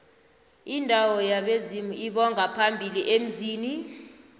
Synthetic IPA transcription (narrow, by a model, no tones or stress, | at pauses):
indʱawɔjaɓezimuiɓɔŋʱapʰambʱiliʔem̩ziːni